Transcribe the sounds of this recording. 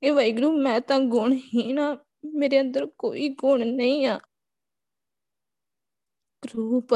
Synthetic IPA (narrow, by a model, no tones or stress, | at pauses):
keːʋəiːɡɾuːmɛ̃ːt̪ãːɡʊɳɦiːnaː | meːɾeːə̃nd̪əɾko̰ːiːɡʊɳnəĩːaː | ɾuːp